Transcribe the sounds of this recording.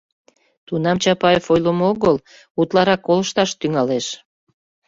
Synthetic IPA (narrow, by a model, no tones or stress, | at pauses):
t̪unɑmt͡ɕɑpɑefojləmoɣəl | ut̪lɑɾɑkːoləʃt̪ɑʃt̪yŋɑleʃ